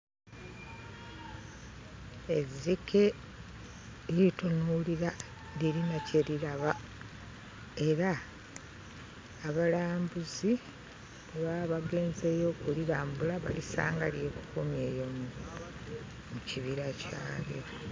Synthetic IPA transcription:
ezikʰe̞ | ɾitonuliɾa | diɾinaceɾiɾaβa | e̞ɾa | βalaːmbuzi | eβaβaɡe̞ːnze̞jo̞ːkuliɾaːmbulaβa̰lisa̰ːŋɡalje̞ku̥kumje̞ːjom | muciβiɾaca̰ːlḭɾo

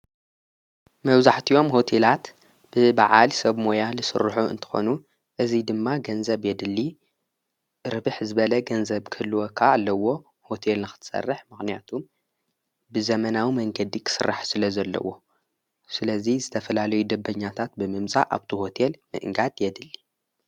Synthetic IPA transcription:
mɐβzaħt̪ʰio̞mho̞t̪ʰe̞lat̪ | b̥ɨbaʕalsɐβmo̞jalɨsɨ̰ɾħuɨ̰nt̪ʰɨ̥xo̞̰nu | ʔɨzid̪ɨmːaɡɐnzɐβjɛd̪ɨlːi | ɾɨβɨħzɨβɐlɐɡɐnzɐβkʰɨlːuwokʰaːlːɐwo̞ | ho̞t̪ʰelnɨxɨ̥t̪ʰɨ̥sɐ̰rːɨħmɨxnijat̪ʰum | bɨzɐmɐnawimɐŋɡɐd̪ikʰɨ̥sɨrːa̰ħsɨlɐzɐlːɐ̰wo̞ | sɨlɐzizɨt̪ʰɐfɐlalɐjud̪ɐbːɐɲːat̪ʰat̪̚bɨmɨmt͡sʼa̰ʔa̰βt̪ʰiho̞t̪ʰelmɨ̰ʔɨŋɡad̪jɛd̪ɨlːi

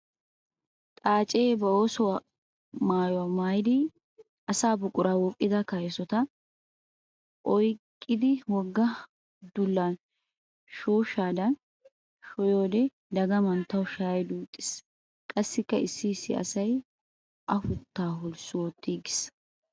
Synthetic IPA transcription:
t̪ʼaːt͡ʃʼeːbɐoːsɔwa | maːjɔwamaːjɪd̪ɪ | ʔɐsaːbʊkʼːʊɾaːwɔkʼːɪd̪ɐkɐjɛsɔt̪ɐ | ʔɔjkʼːɪd̪ɪwɔɡːɐ | d̪ʊlːɐn | ʃoːʃaːd̪ɐn | ʃɔjo̞ːd̪ɛ | d̪ɐɡɐmɐnt̪ːɐwʃaːjd̪uːt̪ʼːɪ̥s | kʼɐsːɪkːɐɪsːiːsːɪ̰ɐ̰sɐj | ʔɐfʊt̪ːaːɦʊlsʊwɔt̪ːiːɡɪs

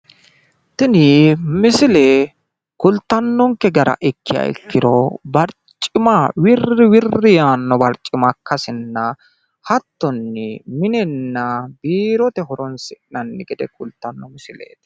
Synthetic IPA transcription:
t̪ɪnɪmɪsɪle | kʊlt̪ːɐnːɔŋkːɛɡɐɾɐ̰ʔɪkːɪjɐ̰ɪ̰kːɪd̪ɔbɐɾt͡ʃʼːɪmɐwɪrɪwɪrːɪjaːnːɔbɐɾt͡ʃʼːɪmɐkːɐsɪnːɐ | hɐt̪ːɔnːɛmɪnɛnːɐbiːɾɔt̪ɛɦɔɾɔnsɪʔnɐnːɪɡɛd̪ɛkʰʊlt̪ːɐnːɔmɪsɪlḛːt̪

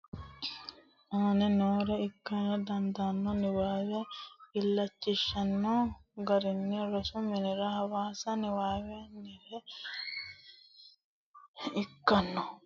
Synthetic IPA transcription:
onenoːɾeikːɐnɐd̪ɐnd̪anːoniʋaːʋeilːɐt͡ʃːiʃːɐnːoːɡɐɾinːiɾosuminiɾɐɦɐʋaːsaniʋaːʋeniɾe | ikːɐnːo

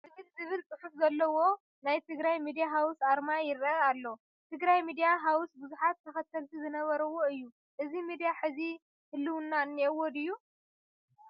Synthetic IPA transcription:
zɨβɨlzɨβɨlt͡sʼɨħufzɐlːɐwo̞ | najt̪ʰɨɡɾajmid̪ijaɦawsaɾmajɪɾɐalːow | t̪ʰɨɡɾajmid̪ijaɦawsbɨzuħat̪ʰːɐxɐt̪ʰːɐlt̪ʰizɨnɐβɐɾɐwo̞ɨjːu | ʔɨzimid̪ijaħɨzi | hɨlːɨwɨnːanːiwɔd̪ɨjːu

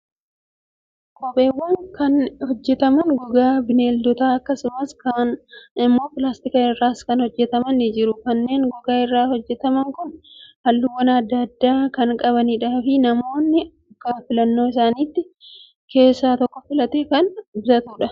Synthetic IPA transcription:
kʼɔpʼe̞ːwːɐŋkɐnhɔd͡ʒːɛt̪ɐmɐŋɡɔɡaːbɪneːld̪ɔt̪aːɐkːɐsʊmɐskɐnɪmːo̞ːpɪlaːst̪ɪkɐɪrːaːskɐnhɔd͡ʒːɛt̪ɐmɐnɪd͡ʒɪɾʊkɐnːe̞ːŋɡɔɡaːɪrːaːhɔd͡ʒːɛt̪ɐmɐŋkʊnhɐlːʊwːɐnɐd̪ːɐd̪ːaːkɐŋkʼɐβɐniːᶑaːfɪnɐmo̞ːnːɪ | ɐkːɐfɪlɐnːo̞ːɪs̬aːniːt̪ːɪ | ke̞ːsːaːt̪ɔkːɔfɪlɐt̪eːkɐnbɪzɐt̪uːᶑɐ

